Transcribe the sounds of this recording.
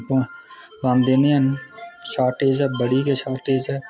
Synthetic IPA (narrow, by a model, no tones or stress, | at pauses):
põː | lãːnd̪eːniːənʃaːʈeːd͡ʒɛːbəɽiːkeʃaːʈeːd͡ʒɛː